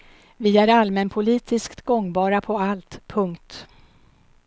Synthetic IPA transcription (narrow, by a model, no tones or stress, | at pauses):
vɪæɾalmɛnpʰʊliːt̪ʰɪskt̪ɡɔŋːbɑːɾapʰɔalt̪pʰɵŋkt̪